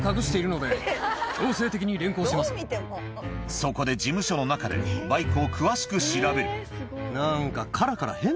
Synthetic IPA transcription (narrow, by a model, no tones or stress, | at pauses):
kaɡɯ̟ɕi̥t̪e̞iɾɯ̟no̞d̪e̞o̞ːse̞ːt̪e̞kʲiɲ̟iɾẽ̞ŋko̞ːɕimasɨ̥ | so̞ko̞d̪e̞d͡ʑimɯ̟ɕo̞no̞nakad̪e̞̰baikɯokʰɯ̟βaɕi̥kɯ̟ɕiɾabe̞ɾɯ̟ | nãŋkakʰaɾakaɾa̰hẽ̞